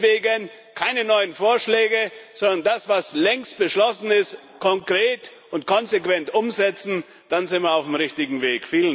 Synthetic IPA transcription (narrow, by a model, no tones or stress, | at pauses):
veːɡən | kʰaɪnənɔʏənfoːɐʃlɛːɡəz̥ɔndɐndasv̥aslɛŋst̚b̥əʃlɔsn̩ɪst | kʰɔŋkʁ̥eːt | ʊntkʰɔnzekv̥ɛntʔʊmzɛt͡sn̩ | d̥anzɪntviɐaʊfmʁɪçtɪɡŋ̩veːkfiːlən